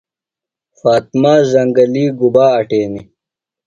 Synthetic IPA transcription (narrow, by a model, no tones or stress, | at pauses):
faːt̪̚maːzɐŋɡɐliːɡubaːɐʈeːni